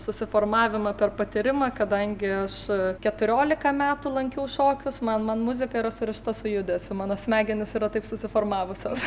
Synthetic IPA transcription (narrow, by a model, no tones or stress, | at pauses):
sʊsʲɪfoːrmɑːʋʲɪmɐpʲɛrpɐt̪ʲɪɾʲɪmɐkɐd̪ɐŋʲɡʲɪɐʃkʲɛt̪ʊɾʲoːlʲɪkɐmʲæːt̪ʊlˠɐŋʲkʲɛʊʃoːkʲʊsmɐnmɐnmʊzʲɪkɐiɾɐsʊɾʲɪʃt̪ɐsʊjʊd̪ʲɛsʲʊmɑːnoːsʲmʲæːɡʲɪnʲɪsiːɾɐt̪ɐɪpsʊsʲɪfoːrmɑːʋʊsʲoːs